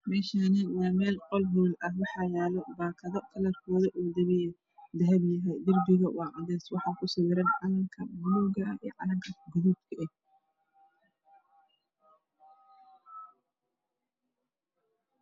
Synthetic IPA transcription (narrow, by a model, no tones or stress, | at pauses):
mɛːʃaːnɐnaːmɛːlqɔlɦuːlɐhwɑħɑːjɛːlɔbaːkʰɐðɔkʰɐlɐrkʰɔːðɐʔuːd̪ɐβɪjɛ | d̪ɐɦɐbjɐɦɛjd̪ɪrbɪɣɐwɑːʕɑðɛːswɑħɑːkʰʊsɪwɪɾɐnʕɑlɐŋkʰɐmʊluɡɐḭːʕɑ̰lɐŋkʰɐɡʊðub̪kʰɐʔɛh